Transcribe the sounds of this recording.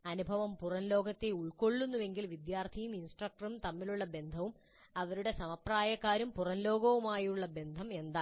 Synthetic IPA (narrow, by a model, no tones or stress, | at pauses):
ɐnubʱɐʋɐmpurɐnlo̞ːɡɐt̪ːeuɭko̞ɭːunːuʋe̞ŋɡilʋid̪jaːrt̪ʰijuminsʈrɐk̚ʈɐɾumt̪ɐmːiluɭːɐbe̞nd̪ʱɐʋum | ɐʋɐɾuɽe̞sɐmɐpraːjɐkːaːɾumpurɐnlo̞ːɡɐʋumaːjuɭːɐbe̞nd̪ʱɐme̞nd̪aː